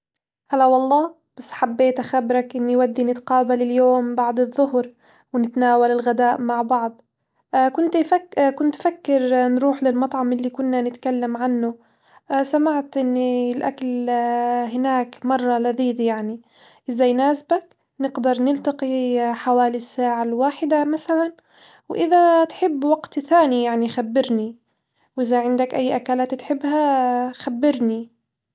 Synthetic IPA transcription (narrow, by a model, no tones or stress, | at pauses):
halawɑlˤːɑː | b̥asːħabːeːt̪ʔaxabɾakʔɪnːiwad̪ːinɪt̪qɑːbalɪljoːmbɑʕd̪ˤɨðˤːʊhɾ | wɪnɪt̪naːwalɪlɣad̪aːʔmaʕbɑʕd̪ˤ | kʊnt̪fakʊnt̪fakːɪɾnɾuːħlɪlmɑt̪ˤʕɑmʔɪlːikʊnːanɪt̪kalːamʕanːʊ | ʔsamaʕt̪ʔɪnːilʔa̰kal | ɦɪnaːkmɑrˤːɑlaðiːd̪jaʕni | ʔɪzajnaːsbak | nɪɡd̪ɑɾˤnɪlt̪ɑqiħawaːlisːaːʕalwaːħɪd̪amaθalan | wʔɪðat̪ħɪbːwaɡt̪θaːnijaʕnixabːɪɾni | wʔɪzaʕɪnd̪akʔajːʔakaːlaːt̪t̪ħɪbːhaxabːɪɾni